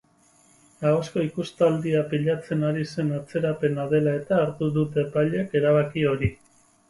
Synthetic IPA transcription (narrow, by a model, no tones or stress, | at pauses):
ɡaosko̞ikust̪ald̪iapiʎat͡se̞naɾise̞nat͡se̞ɾape̞naðe̞lae̞t̪aːɾt̪uðut̪e̞paʎeke̞ɾaβakio̞ɾi